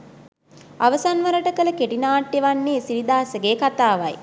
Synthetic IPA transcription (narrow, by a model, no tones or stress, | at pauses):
aʋəsanʋəɾəʈəkələkeʈinaːʈːeʋanːeːsiʋid̪aːsəɡeːkat̪aːʋa̰j